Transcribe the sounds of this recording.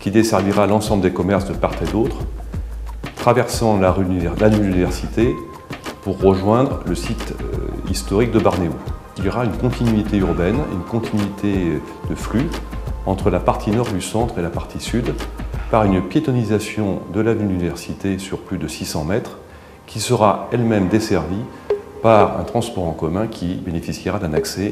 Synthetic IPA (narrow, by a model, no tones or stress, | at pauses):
kʲid̪esɛʁviʁalɑ̃sɑ̃bləd̪ekɔmɛʁsd̪əpaʁt̪ed̪ot̪χ | t̪χavɛʁsɑ̃laʁyɛlalyynivɛʁsit̪e | puʁːəʒwɛ̃d̪ʁləsit̪ḭst̪ɔʁik̚d̪əbaʁneu | iljɔʁaynkɔ̃t̪ʰinɥit̪eyʁbɛn̰y̰nkɔ̃t̪ʰinɥit̪ʰe | d̪əflyɑ̃t̪χəlapaʁt̪ʰinɔʁd̪ysɑ̃t̪χelapaʁt̪ʰisyd̪paʁynpjet̪ɔnizasjɔ̃d̪əlavynynivɛʁsit̪esyʁplyd̪əsisɑ̃mɛt̪χ | kʲʰisəʁaɛlmɛmd̪esɛʁvi | paʁɛ̰̃t̪χɑ̃spɔʁɑ̃kɔmɛ̃kʲʰibenefisjiʁad̪ɛ̃naksɛ